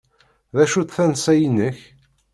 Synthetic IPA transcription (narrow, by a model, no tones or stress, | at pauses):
ðæʃuθænsæjənːəç